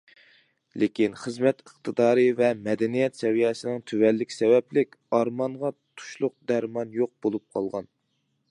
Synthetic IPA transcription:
lekʲinχəzmɛt̪əχt̪ʰɨd̪ɑːɾɨvɛmɛd̪ɛnijɛt̪sɛvijɛsɪnɪŋt̪ʰyvɛlːɪkʲsɛvɛplɪkʲɑɾmɑɴʁɑt̪ʰu̥ʃlˠʊq̚d̪æɾmɑnjoq̚bolˠup̚qʰɑ̰lˠʁɑn

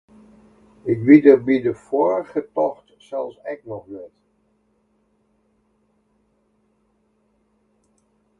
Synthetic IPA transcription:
ɪkbidərbidəfoːɹəχətɔχt | sɛlˠsɛknɔχʋɪt

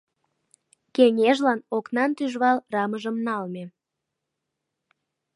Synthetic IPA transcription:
keŋeʒlɑnoknɑnt̪yʒβɑlrɑməʒəmnɑlme

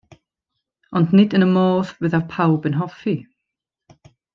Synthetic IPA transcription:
ɔndnɪdənəmɔːðvɨðarpʰawbənɦɔfi

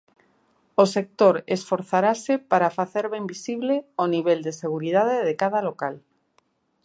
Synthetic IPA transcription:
osek̚t̪oɾesfoɾθaɾasepaɾafaθeɾβembisiβleoniβ̞eld̪eseɣ̞uɾið̞aðeðekað̞alokal

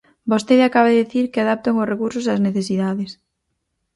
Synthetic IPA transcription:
bost̪eðakaβaðeðiθiɾkɪaðap̚t̪oŋʊsrekuɾsʊs̬azneθesiðaðɪs

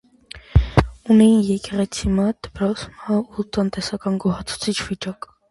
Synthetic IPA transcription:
unɛjinjɛkɛʁɛt͡sʰimɑd̪̥əpɾɔsmɑut̪ənt̪ɛsɑkɑnɡɔhɑt͡sʰu̥t͡sʰit͡ʃʰv̥it͡ʃɑk

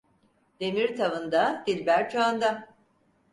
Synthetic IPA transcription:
d̪̥emiɾt̪ʰavɯnd̪ad̪ilʲbæɾt͡ʃʰaand̪a

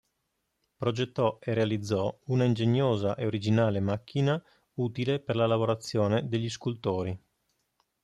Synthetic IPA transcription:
pɾod͡ʒet̪ːɔerealid̪zːɔunaind͡ʒeɲːoːzaʔeoɾid͡ʒinaːlemak̟ːina | uːt̪ileperlalavoɾat̪sːjoːned̪eʎːiskult̪oːɾi

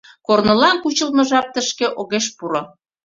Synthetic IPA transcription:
kornɤ̆lɑnkut͡ɕə̆lmɤ̆ʒɑp̚t̪əʃkeʔoɣeʃpuɾo

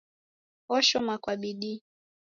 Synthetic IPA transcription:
ɔʃɔmakwaɓiɗi

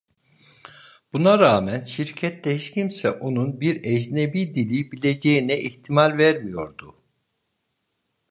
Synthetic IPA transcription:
b̥unaɾaːmænʃiɾcʰɛt̪ʰːɛhit͡ʃcʰimsɛʔo̞nunbiɾɛd͡ʒnebiːd̪ilʲibilʲe̞d͡ʒejinɛʔiçt̪ʰimalʲvæɾmijo̞ɾd̪u

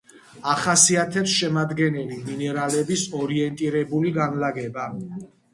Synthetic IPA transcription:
aχasiat̪ʰɛpsʃɛmad̪ɡɛnɛliminɛɾalɛbisɔɾiɛnt̪ʼiɾɛbuliɡanlaɡɛba

